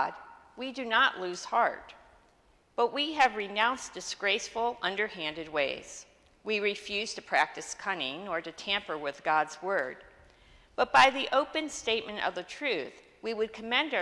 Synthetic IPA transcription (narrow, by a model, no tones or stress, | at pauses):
d̚widɨnəʔlʉz̥hɑɹt̚ | b̥ʌʔ̚wiɨvɹɨnãʊ̃nsd̥ɨsɡ̥ɹeɪsfl̩ˠʌ̃ndə˞hæ̃ndɨd̚weɪz̥ | wiɹɨfjʉz̥tʰɨpʰɹ̥æk̚tɨskʰʌnɪ̃ŋə˞ɾɨtʰæ̃mpə˞wɪðɡɑdzwɜ˞d̚ | b̥ʌt̚b̥aɪðiʔoʊpɨ̃nsteɪt̚mɨ̃ntʌ̰vðɨtʰɹ̥ʉθ | wiwɨd̚kʰɨmɛ̃nd